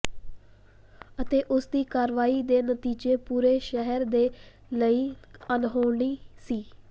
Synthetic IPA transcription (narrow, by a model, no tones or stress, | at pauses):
ət̪eːʔʊsd̪iːkaːɾʋaːiːd̪eːnət̪iːd͡ʒeːpuːɾeːʃəɦəɾd̪eː | ləiːənɦoːɳiːsiː